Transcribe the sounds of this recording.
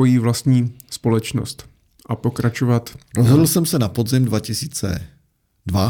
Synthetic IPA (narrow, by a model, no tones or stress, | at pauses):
ojiːvlast̪ɲiːspo̞lɛt͡ʃno̰st̪ | ʔapo̞kɾat͡ʃovat̪ɾozɦodl̩sɛmsɛnapodzɪmdvacɪsiːt͡sɛ̰ | dva